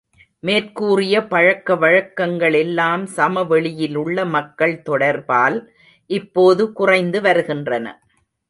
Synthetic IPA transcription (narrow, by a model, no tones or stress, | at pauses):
meːrkuːrɪjɐpɐɻɐkːɐʋɐɻɐkːɐŋɡɐɭɛlːaːmsɐmɐʋɛɭɪjɪlʊɭːɐmɐkːɐɭt̪ɔɽɐɾbaːl | ʔɪpːoːðɯkʊrɐɪnd̪ɯʋɐɾɯɣɪndrɐnɐ̰